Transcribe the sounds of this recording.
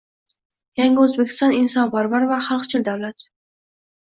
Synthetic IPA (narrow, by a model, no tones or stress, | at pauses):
jaŋɡʲɪɵzbekʲʰɪ̥st̪ɑnɪnsɑnpaɾvaɾvaχalˠqt͡ʃʰɪld̪awlat̪